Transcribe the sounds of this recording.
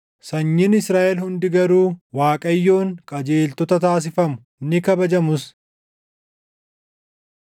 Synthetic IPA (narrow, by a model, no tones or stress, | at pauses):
sɐɲːɪnɪsɾaːʔɛlhʊnd̪ɪɡɐɾuːwaːkʼɐjːo̞ːŋkʼɐd͡ʒeːlt̪ɔt̪ɐt̪aːs̬ɪfɐmʊ̥ | nːɪkɐbɐd͡ʒɐmʊs